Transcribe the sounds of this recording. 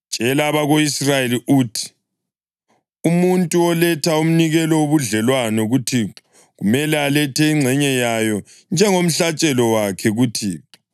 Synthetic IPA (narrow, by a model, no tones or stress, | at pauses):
t͡ʃʼɛlaːβaɣoisrajeliʔuːtʰi̥ | umuntʼuɔlɛtʰaum̩niɣɛlɔwoβuɮɛlwanɛɣutʰi | ɣumɛlɛalɛtʰɛiŋ͡ǀʱɛɲɛjajɔ | nd͡ʒʱɛŋom̩ɬat͡ʃʼɛlɔwakʰɛɣutʰiːɛ